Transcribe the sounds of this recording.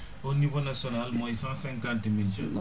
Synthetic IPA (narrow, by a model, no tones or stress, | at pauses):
onivonasiɔnalmɔisãsɛ̃ŋkãntmild͡ʒɔ̰n